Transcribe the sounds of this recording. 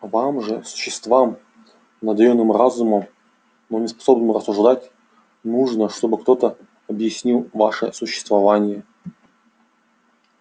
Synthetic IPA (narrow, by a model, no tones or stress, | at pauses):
vamʐɨsʊ̥ɕːɪst̪vam | nɐd̪ɐonːɨmrazuməm | nonʲɪspɐ̥so̞bnɨmrəsːʊʐd̪atʲ | nuʐnəʂt̪o̞bɨkt̪o̞t̪ə | ɐbjɪsʲnʲilˠvaʂɨsʊɕːɪ̥st̪vɐvanʲɪjə